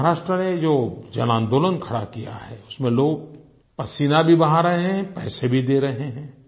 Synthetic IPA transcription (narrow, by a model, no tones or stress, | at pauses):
ɦaɾaːʃʈɾəned͡ʒoːd͡ʒɐnãːnd̪oːlənkʰɐɽakija̰ɦɛːʊsmẽloːɡ̚ | pɐsiːnabʱibɐɦaɾɐɦeɦɛ̃pɛːsebʱid̪eːɾɐɦeɦɛ̃ː